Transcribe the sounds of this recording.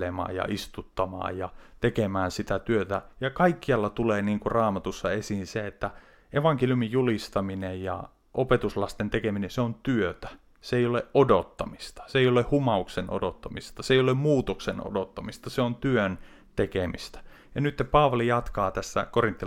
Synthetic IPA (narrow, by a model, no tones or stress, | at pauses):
emɑ̰ːjjɑ̰ʔist̪ut̪ːɑmɑ̰ːjjɑt̪ekemæːnsit̪æt̪yøt̪æjɑkɑikːiɑlːɑt̪uleːniːŋkurɑːmɑt̪usːɑesiːnseet̪ːæ | ʔeʋɑŋkeljymijjulist̪ɑminejjɑ̰ | ʔopet̪uslɑst̪ent̪ekeminenseont̪yøt̪æ̥ | seeijoleʔʔodot̪ːɑmist̪ɑ̥seijolehhumɑuksenʔo̰dot̪ːɑmist̪ɑseijolemmuːt̪okseno̰dot̪ːɑmist̪ɑseont̪yøn | t̪ekemist̪æ̥ | jɑnyt̪ːepɑːʋɑlijɑt̪kɑːt̪æsːæ̰korint̪ːi